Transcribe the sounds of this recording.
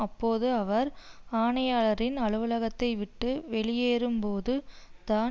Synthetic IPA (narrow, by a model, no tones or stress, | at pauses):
ɐpːoːðɯɐʋɐɾaːɳɐjaːɭɐɾɪnɐɭɯʋɯlɐɣɐt̪ːɐɪʋɪʈːɯʋɛɭɪjeːɾɯmpoːðɯ | t̪aː